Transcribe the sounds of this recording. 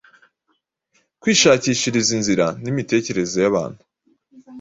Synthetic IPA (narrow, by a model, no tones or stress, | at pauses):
kwiːʃaːciːʃiɾizinziɾanimite̞ːce̞ɾe̞zo̞jaβa̰ːn̥hu